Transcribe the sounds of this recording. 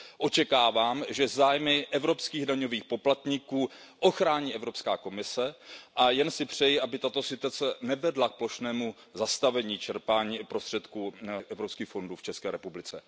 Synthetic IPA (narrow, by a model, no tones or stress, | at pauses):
ʔo̞t͡ʃɛkaːvaːmʒɛzaːjmɪʔɛvɾo̞pskiːɣdaɲo̞viːxpo̞plat̪ɲikuːʔo̞xɾaːɲiːʔɛvɾo̞pskaːko̞mɪsɛʔajɛnsɪpr̝̥ɛjɪʔabɪt̪at̪o̞sɪt̪at͡sɛnɛvɛdlak̚plo̞ʃnɛːmu | zast̪avɛɲiːt͡ʃɛɾpaːɲiːpɾo̞st̪r̥ɛt̪kuːʔɛvɾopskiːxfo̞nduːft͡ʃɛskɛːɾɛpublɪt͡sɛ